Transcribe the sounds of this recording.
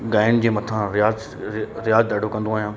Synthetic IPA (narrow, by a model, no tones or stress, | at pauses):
ɡaːɪñd͡ʑeːmɐt̪ʰãɾɪjaːz | ɾɪjaːzd̪aːɖʱokɐ̃nd̪oaːɦijãː